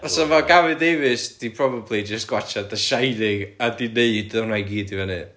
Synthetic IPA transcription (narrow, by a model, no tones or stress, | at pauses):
ɔsɔmaɡavɨdevɪsd̥ipʰrɔbablˠid͡ʒəstɡ̥wat͡ʃʰadəʃajðɪɡadineɨdɔnajɡiːdivɛnɨ